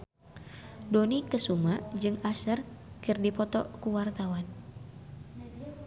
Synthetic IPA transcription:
donikəsumad͡ʒɨŋasərkɨrdipɔt̪ɔ̰kuwart̪awan

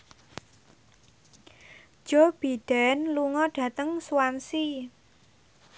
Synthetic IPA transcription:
d̥ʒ̥ɔb̥id̥ɛnluŋɔɖ̥ä̤t̪əŋsuwansi

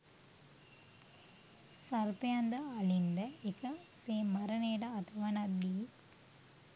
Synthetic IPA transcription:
sɐɾpɪjand̪ɐɐlɪnd̪ɐekɐseːmːɐɾɐneːɽaːt̪ʰɐʋɐnɐd̪i

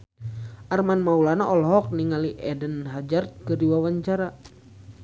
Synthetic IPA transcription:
ʔarmanmaulanaʔɔlɦɔk̚niŋaliʔɛdənɦad͡ʒart̪̚kɨrdiwawaɲt͡ʃaɾa

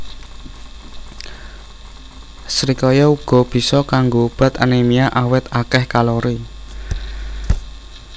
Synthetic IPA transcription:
sɾikɔjɔuɡ̥ɔ̤b̥i̤sɔkaŋɡob̥a̤t̪anemiaʔawɪt̪akɛhkalɔɾi

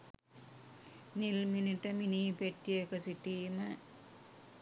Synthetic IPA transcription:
nilminiʈːɐminipeʈːekɐsiʈːiːmɐ

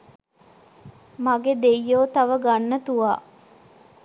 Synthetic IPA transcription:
maɡed̪ejːoːt̪aʋəɡanːət̪uʋaː

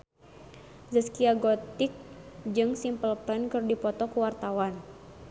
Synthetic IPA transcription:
zəskiaɡɔt̪ik̚d͡ʒɨŋsimpəlpɛnkɨrdipɔt̪ɔkuwart̪awan

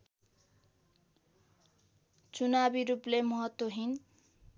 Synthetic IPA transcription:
t͡sunabiɾuplemʌɦʌt̪woɦin

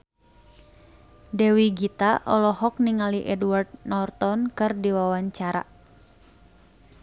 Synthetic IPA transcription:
dɛwiɡit̪aʔɔlɔhɔk̚niŋaliʔɛduward̪̚nɔrt̪ɔnkɨrdiwawaɲt͡ʃaɾa̰

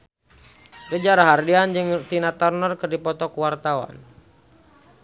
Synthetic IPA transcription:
rəd͡ʒaɾaɦardiand͡ʒɨŋt̪inat̪ɔrnərkɨrdipɔt̪ɔkuwart̪awa̰n

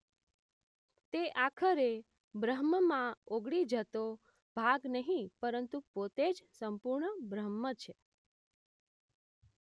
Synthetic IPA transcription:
t̪eʔakʰəɾe | bɾəɦməmãoɡɽid͡ʒət̪o | bʱaɡnəɦĩpəɾənt̪upot̪ed͡ʒsəmpuɾɳəbɾəmət͡ʃʰe

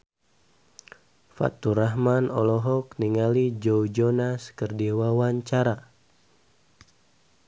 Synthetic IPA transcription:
fa̰t̪ːuɾaɦmanɔlɔɦɔk̚niŋalid͡ʒɔwd͡ʒɔnaskərdiwawaɲt͡ʃaɾa

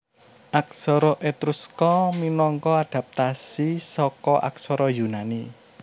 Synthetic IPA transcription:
ʔak̚sɔɾɔʔet̪ɾuskɔminɔŋkɔad̪̥ä̤p̚t̪asisɔkɔʔa̰k̚sɔɾɔjunani

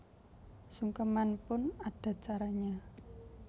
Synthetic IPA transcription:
suŋkəmanpʊnaɖ̥a̤t͡ʃaɾaɲa

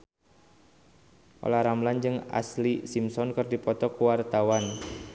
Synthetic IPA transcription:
ʔo̰laɾamland͡ʒɨŋa̰slisimsɔnkərdipɔt̪ɔkuwart̪awan

